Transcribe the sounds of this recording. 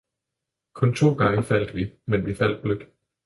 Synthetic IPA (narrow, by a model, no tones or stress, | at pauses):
kʰɔ̽nt͡sʰo̝̰ːɡ̥ɑ̈ŋəfæl̰d̥əʋimenʋifæl̰d̥̚b̥løɡ̥